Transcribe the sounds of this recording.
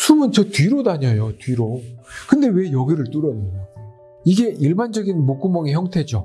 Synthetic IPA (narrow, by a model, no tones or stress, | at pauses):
sʰumɯnt͡ɕʌtɥiɾodaɲʌjotɥiɾokɯnde̞we̞jʌɡiɾɯɭt͈uɾʌnɯ | iɡe̞ʔiɭband͡ʑʌɡinmok͈umʌŋeçjʌŋtʰe̞d͡ʑo